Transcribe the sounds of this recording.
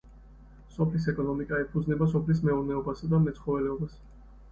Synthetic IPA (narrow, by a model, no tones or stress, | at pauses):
sɔpʰlisɛkʼɔnɔmikʼaɛpʰud̪znɛbasɔpʰlis̬mɛɔɾnɛɔbasad̪amɛt̪sʰχɔvɛlɛɔbas